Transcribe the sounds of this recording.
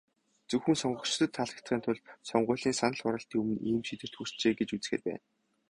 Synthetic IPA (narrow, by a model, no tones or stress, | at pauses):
t͡sɵxɘ̆nsɔɴɢɞ̆kt͡ɕt̪ə̆t̪ʰːaɮə̆kt̪χiːnt̪ʰʊɮsɔɴɢʊ̟ːɮiːnsanə̆ɮχʊɾə̆ɬt̪iːɵmɘ̆niːmʃit̪ɘ̆r̥t̪xur̥t͡ɕeːɡet͡ɕut͡s̆xḛːrpæ̰ːn